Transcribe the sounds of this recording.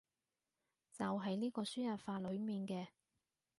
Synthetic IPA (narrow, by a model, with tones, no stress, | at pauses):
t͡sɐ˨wɦɐ˨jniː˥kɔː˧syː˥jɐ˨t̚faː˧lɵ˨˧ɥmiː˨˩nkɛː˧